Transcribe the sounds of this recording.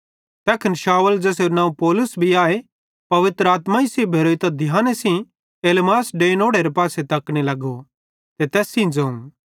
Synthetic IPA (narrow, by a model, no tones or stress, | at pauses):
t̪ɛːkʰənʃaːwəld͡ʒɛːs̬eɾonaːũpɔːlʊsbʱiaːe | pɐʋɪt̪ɾəaːt̪mãisebʱeːɾoːt̪ad̪ʱjãːnesĩ | eːlmaːsɖeːnoːɽeɾepaːset̪ɐkɽ̃elɐɡo | t̪et̪ɛːsĩd͡ʒɐ̃ũ